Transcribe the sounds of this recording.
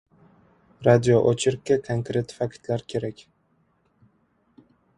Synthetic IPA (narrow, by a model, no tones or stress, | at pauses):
ɾad̪ijoʔot͡ʃʰɪɾkʲːakʰoŋkɾe̞t̪fakʲt̪ʰlaɾkʲʰe̞ɾakʲ